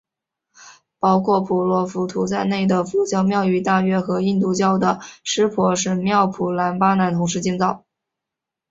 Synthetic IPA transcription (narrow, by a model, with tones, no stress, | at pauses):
pɑ˥ʊkʰwɔ˥˩pʰu˨˩lwɔ˧˥fu˧˥t̪ʰu˧˥t͡sa˥˧ɪne˥˩ɪd̪ə˩fu˧˥t͡ɕjɑ˥mjɑ˥˧ʊy˧˥t̪a˥˩ɥɛ˥xɤ˧˥i˥˧nt̪u˥˩t͡ɕjɑ˥ʊd̪ə˨˩ʂɻ̩˥pʰwɔ˧˥ʂɻ̩˥˧mjɑ˥˩ʊpʰu˨˩la˧˥npa˥na˧˥nt̪ʰʊ˧˥ŋʂɻ̩˥˧t͡ɕi˥˧ŋt͡sɑ˥˩ʊ